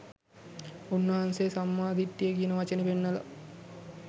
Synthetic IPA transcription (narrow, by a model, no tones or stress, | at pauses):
unːɐɦansesɐmːaːd̪ʱiʈːijekijənəʋɐt͡ʃɐnepenːɐlɐ̰